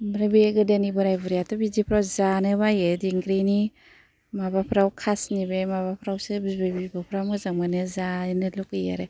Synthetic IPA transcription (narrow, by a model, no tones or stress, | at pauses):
bɾabeɡɯdenibɯɾajbuɾijatɔbizipʰɾawzanɯbajediŋɡɾini | mabapʰɾawkʰasnibemaβapʰɾawsɯbibebibɯpʰɾawmɯzaŋmanɯzanɯlukɯja̰ɾe